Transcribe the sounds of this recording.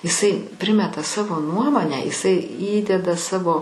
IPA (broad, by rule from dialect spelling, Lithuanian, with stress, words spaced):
ɪˈsɐɪ ˈpʲrʲɪmʲɛtɐ ˈsɑːʋoː ˈnuɔmoːnʲæː ɪˈsɐɪ ˈiːdʲɛdɐ ˈsɑːʋoː